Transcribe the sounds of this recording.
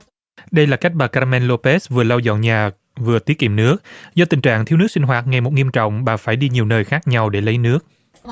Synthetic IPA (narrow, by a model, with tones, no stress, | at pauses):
ɗə˧jlaː˨˩ka˦˥jk̟̚ɓaː˨˩kaː˧mɛ˧nlo˧pe˦˥svɨ˨˩əla˧wzɔ̰˧˨nɲaː˨˩ | vɨ˨˩ət̪i˦˥t̚kḭ˧˨mnɨ˦˥ək̚zɔ˧t̪i˨˩ŋ̟t͡ɕa̰ː˧˨ŋt̪ʰi˧wnɨ˦˥ək̚si˧ŋ̟ɦwaː˨˩t̚ŋa˧˩jmo˨˩t̚ŋi˧əmt͡ɕɔ̰˧˨wŋ͡mɓa̰ː˨˩faː˧˩jɗi˧ɲi˨˩əwnəː˧˩jxaː˦˥k̚ɲa˧wɗe˧˩lə˨˦jnɨ˦˥ək̚